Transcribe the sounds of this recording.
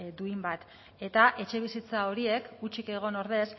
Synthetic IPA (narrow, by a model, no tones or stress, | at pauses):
d̪uimbat̪ | e̞t̪aʔe̞t͡ʃe̞β̞isit͡sao̞ɾie̞kut͡ʃike̞ɣ̞o̞no̞ɾðe̞s